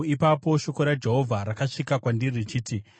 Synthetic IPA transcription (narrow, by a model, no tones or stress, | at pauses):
ipapo̞ʃo̞ko̞ɾad͡ʒe̞ɦo̞vʱaɾakaʂikakwandirit͡ʃiːti